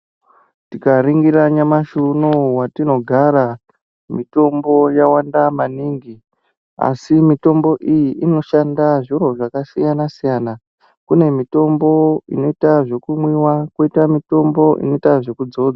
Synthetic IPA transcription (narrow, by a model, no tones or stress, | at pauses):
tikaɾiŋɡiɾaɲamaʃunowatino̞ɡʱaɾa | mito̞mbo̞jawandamaniːŋɡi | a̰simito̞mbo̞ʔijiʔino̞ʃandaʐiɾo̞ʐakasijanasijana | kune̞mito̞mbo̞ino̞itaʐe̞kumwiwakoitamito̞mbo̞ʔḭno̞itaʐe̞kud͡zo̞ːd͡za